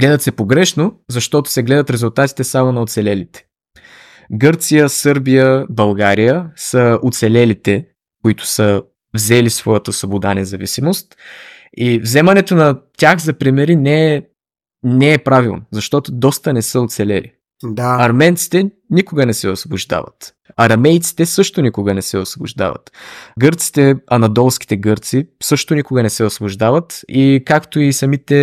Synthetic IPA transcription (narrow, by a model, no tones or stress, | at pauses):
ɡ̥lɛd̪ət̪sɛpoɡɾɛʃnozɐʃt̪ɔt̪ʊ̥sɛɡlɛd̪ət̪ɾɛzʊlˠt̪at̪i̥t̪ɛsamonɐʊt̪sɛlɛlit̪ɛ̥ | ɡɤɾt̪sijəsɤɾbijəbɐlˠɡaɾijəsəʊt̪sɛlɛlit̪ɛ | kʊit̪ʊ̥sə | vzɛlisvɔjət̪əsvobʊd̪anɛzɐvḭsimost̪ | ivzɛmɐnɛt̪onɐt̪ʲaxzɐpɾimɛɾinɛ | nɛːpɾavilˠnozɐʃt̪ɔt̪od̪ɔst̪ənɛsəot̪sɛlɛlḭ | d̪aɐɾmɛnt̪si̥t̪ɛ | nikʊɡənɛsɛosvobʊʒd̪a̰vɐ̰t̪ | ɐɾɐmɛjt̪si̥t̪ɛsɤʃt̪onikʊɡənɛsɛosvobʊ̰ʒd̪a̰vɐ̰t̪ɡɤɾt̪si̥t̪ɛɐnɐd̪ɔlˠsk̟i̥t̪ɛɡɤɾt̪sisɤʃt̪onikʊɡɐnɛsɛosvobʊʒd̪avət̪ikakt̪oisɐmit̪ɛ